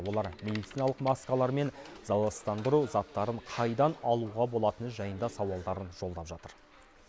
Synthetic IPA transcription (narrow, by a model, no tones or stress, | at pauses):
wo̞lˠɑɾmʲe̞d̪ijt̪sinɑlˠəqmɑskɑlˠɑɾme̞nz̥ɑlˠɑst̪ɑnd̪əɾuzɑt̪ːɑɾəɴqʰɑjd̪ɑnɑlˠuʁɑbo̞lˠɑt̪ənʒɑjənd̪ɑsɑwɑlˠd̪ɑɾənʒo̞lˠd̪ɑpʒɑt̪əɾ